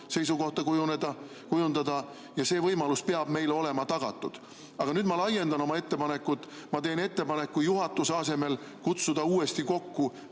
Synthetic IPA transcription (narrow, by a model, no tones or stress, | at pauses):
se̞js̬uko̞ht̪ɑkujuned̪̥ɑ | kujund̪ɑd̪ɑ | jɑse̞ːvɤjmɑluspe̞ɑb̥me̞jleo̞le̞mɑt̪ɑɡ̥ɑ̰t̪ːˑud̪̥ | ɑɡ̥ɑnyːd̪̥mɑlɑjːe̞nd̪̥ɑno̞mɑe̞t̪ːe̞pɑne̞kːˑut̪ːˑmɑt̪e̞ːne̞t̪ːe̞pɑnekːujuɦɑt̪ːˑuseɑse̞me̞lkut̪sud̪̥ɑuːe̞st̪iko̞kːu